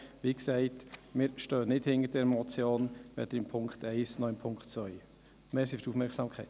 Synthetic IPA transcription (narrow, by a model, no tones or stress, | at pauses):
ʋiːksɛɪtmɪːɾʃtœːnɪthɪnədɛɾmɔt͡sjoːnʋɛ̰d̥̪əɾɪmpʰʊŋktɛɪsnɔɪmpʰʊŋkχtt͡sʋvœʏ | meːɾsifə̥ɾufmɛɾksɑmkʰɛɪt